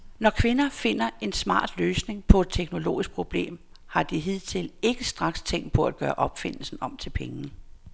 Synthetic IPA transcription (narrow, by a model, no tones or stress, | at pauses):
nɒkʰʋe̝nɐfe̝n̰ɐe̝nsmɑ̰̈ːd̥løːsne̝ŋpʰɒ̽ed̥̚t͡sʰeɡ̥no̝lo̝̰ːisɡ̥̚pʰʁo̝b̥le̝̰ːm | hɑ̈d̥iɦeð̰ˠt͡sʰe̝le̝ɡ̥əsd̥ʁɑ̈ɡ̥st͡sʰeŋ̰ɡd̥̚pʰɒ̽æd̥̚ɡ̥ɶːɐʔɒ̽b̥fe̝n̰l̩sn̩ɒ̽m̰t͡sʰe̝lpʰeŋnə